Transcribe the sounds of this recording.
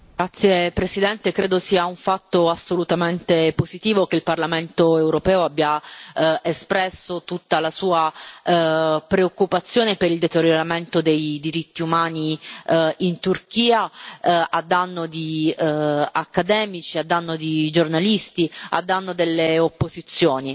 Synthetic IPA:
ɡɾat̪sːjepɾesid̪ɛnt̪ekɾeːd̪osiːauɱfat̪ːoasːolut̪ament̪epozit̪iːvokeilparlament̪oewɾopɛːoabːja | espɾɛsːot̪ut̪ːalasuːa | pɾeokːupat̪sːjoːnepeɾild̪et̪eɾjoɾament̪od̪ejd̪iɾit̪ːiumaːni | int̪urkiːaʔad̪ːanːod̪i | akːad̪ɛːmit͡ʃiad̪ːanːod̪id͡ʒornalist̪ia̰d̪ːanːod̪elːeopːozit̪sːjoːni

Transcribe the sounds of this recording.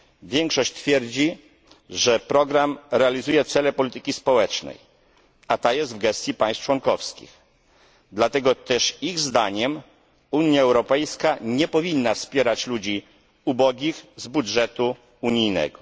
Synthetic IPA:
vʲjɛŋkʂɔɕt͡ɕt̪fʲjɛɾd͡ʑi | ʐɛpɾɔɡɾamɾɛalʲizujɛt̪sɛlɛpɔlʲit̪ɘkʲispɔwɛt͡ʂnɛ̰j | at̪ajɛst̪vɡɛst̪ʲjipãj̃st͡ʂwɔnkɔfskʲḭx | d̪lat̪ɛɡɔt̪ɛʂiɣzd̪aɲɛm | uɲjaɛwɾɔpɛjskaɲɛpɔvʲinːafspʲjɛɾat͡ɕlud͡ʑi | ubɔɡʲixzbuʐɛt̪u | uɲijnɛ̰ɡɔ

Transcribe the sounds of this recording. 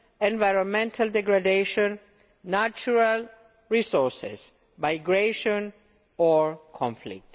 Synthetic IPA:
ɛ̃nvaɪɹɔ̃nmɛ̃ntʰaldɛɡɹadeʃɔ̃nː | at͡ʃuɹal | ɹisɔɹsḛs | maɪɡɹeʃɔ̃n | ɔɹkʰɔ̃ɱflɪ̰k̚t

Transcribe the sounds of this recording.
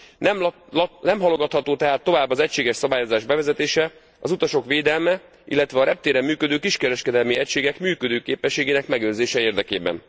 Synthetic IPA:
nɛm | nɛmɦɒloɡɒt̪hɒt̪oːt̪ɛɦaːt̪ːo̞vaːbːɒzɛcʃeːɡɛʃsɒbaːjo̞zaːʒbɛvɛzɛt̪eːʃɛ | ɒ̰zut̪ɒʃo̞kʋeːd̪ɛlmɛ | ḭlːɛt̪ʋɛɒɾɛp̚t̪eːɾɛmːyːkø̞d̪øːkiʃkɛɾɛʃkɛd̪ɛlmiɛcʃeːɡɛkmyːkød̪øːkeːpɛʃːeːɡeːnɛkmɛɡøːrzeːʃɛeːrd̪ɛkeːbɛ̰n

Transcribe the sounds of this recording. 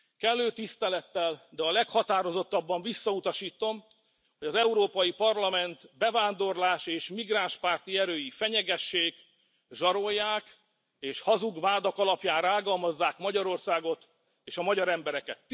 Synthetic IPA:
kɛlːøːt̪ist̪ɛlɛt̪ːɛld̪ɛɒlɛkhɒt̪aːɾo̞zo̞t̪ːɒbːɒɱvisːɒut̪ɒʃiːt̪o̞m | hoɟɒzɛuɾoːpɒjipɒrlɒmɛnt̪bɛvaːnd̪o̞rlaːʃeːʃmiɡraːnʃpaːrt̪iɛɾøːjifɛɲɛɡɛʃːeːɡ | ʒɒɾo̞jːaːk | eːʃhɒzuɡvaːd̪okɒlɒpjaːnraːlɡɒlmɒzːaːkmɒɟɒɾo̞rsaːɡo̞t̪ | eːʃɒmɒɟɒɾɛmbɛɾɛkɛ̰t̪ː

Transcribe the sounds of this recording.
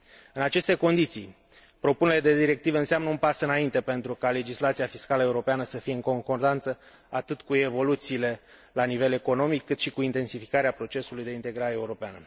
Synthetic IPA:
ɨnat͡ʃe̞st̪e̞ko̞nd̪it̪sij | pɾo̞punɾiled̪e̞d̪iɾe̞k̚t̪ivəɨnseamnəunpasɨnaint̪e̞pe̞nt̪ɾukale̞d͡ʒislat̪siafiskaləeuɾo̞peanəsəfije̞ɨŋko̞ŋko̞rd̪ant̪sə | at̪ɨt̪kue̞vo̞lut̪siːle̞ | lanive̞le̞ko̞no̞mikːɨt̪ʃikuint̪e̞nsifi̥kaɾeapɾo̞t͡ʃe̞sulujd̪e̞int̪e̞ɡɾaɾeeːuɾo̞peanə

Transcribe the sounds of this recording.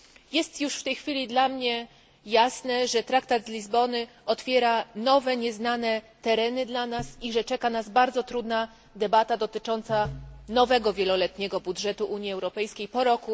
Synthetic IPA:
jɛst̪juʂft̪ɛjxfʲilʲid̪lamɲɛ | jasnɛʐɛt̪ɾakt̪ad̪zlʲizbɔnɘ | ɔt̪fʲjɛɾanɔvɛɲɛznanɛ | t̪ɛɾɛnɘd̪lanasiʐɛt͡ʂɛkanazbaɾd̪zɔt̪ɾud̪na | d̪ɛbat̪ad̪ɔt̪ɘt͡ʂɔnt̪sanɔvɛɡɔvʲjɛlɔlɛt̪ɲɛɡɔbudʐɛt̪uʔuɲjiɛwɾɔpɛjskʲejpɔɾɔku

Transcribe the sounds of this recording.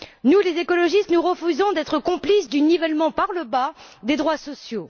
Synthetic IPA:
nulezekɔlɔʒist̪nuʁəfyzɔ̃d̪ɛt̪χəkɔ̃plisd̪ynivɛlmɑ̃paʁləbad̪ed̪ʁwasɔsjo

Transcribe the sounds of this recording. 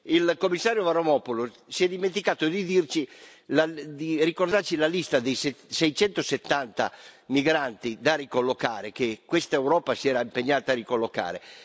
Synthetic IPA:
ilkomːisːaːɾjovaɾomɔpolus | siɛd̪iment̪ikaːt̪od̪id̪irt͡ʃi | lad̪irikord̪art͡ʃilalist̪ad̪ejssɛjt͡ʃɛnt̪oset̪ːant̪a̰miɡɾant̪id̪arikolːokaːɾekekːwest̪aewɾɔːpasiɛːɾaimpeɲːaːt̪aːrikolːoka̰ːɾḛ

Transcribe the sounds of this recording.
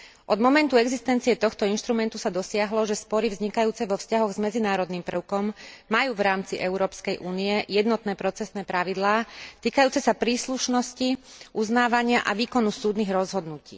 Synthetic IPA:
ʔɔd̪mɔmɛnt̪uɛɡzist̪ɛnt͡siɛt̪ɔxt̪ɔinʃt̪ɾumɛnt̪usad̪ɔsɪaɦlɔʒɛspɔɾivzɲikajuːt͡sɛʋɔfscaɦɔɣzmɛd͡zinaːɾɔd̪nimpr̩ʊkɔmːajuːvɾaːmt͡siʔɛʊɾɔːpskɛjʔuːniɛjɛd̪nɔt̪nɛːpɾɔt͡sɛsnɛːpɾaʋid̪laːt̪iːkajuːt͡sɛsapɾiːsluʃnɔsciʔuznaːʋaɲɪaʔaʋiːkɔnusuːd̪niɣɾɔzɦɔd̪nucḭː

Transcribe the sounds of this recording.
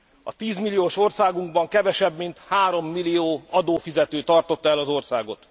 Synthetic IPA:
ɒ̰t̪iːzmilːijoːʃo̞rsaːɡuŋɡ̚bɒŋkɛvɛʃɛbmint̪haːɾo̞mːilːijoːɒd̪oːfizɛt̪øːt̪ɒrt̪o̞t̪ːɛlɒzo̞rsaːɡo̞t̪

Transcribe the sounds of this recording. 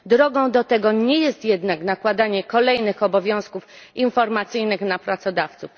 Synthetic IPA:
d̪ɾɔɡɔ̃w̃d̪ɔt̪ɛɡɔɲɛjɛst̪jɛd̪naknakwad̪aɲɛkɔlɛjnɘxɔbɔvʲjɔ̃w̃skufinfɔɾmat̪sɘjnɘxnapɾat̪sɔd̪aft̪suf

